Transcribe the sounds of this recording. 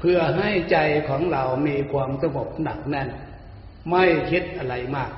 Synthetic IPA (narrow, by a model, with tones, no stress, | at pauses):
pʰɯ˧ɐɦa˥˩jt͡ɕa˧jkʰɔː˩˦ŋla˨˩wmiː˧kʰwaː˧msa˧ŋo˨˩p̚na˨˩k̚na˧˥˩n | ma˥˩jhe˧˥t̪̚ʔa˧˩ɾa˧jmaː˥˩k̚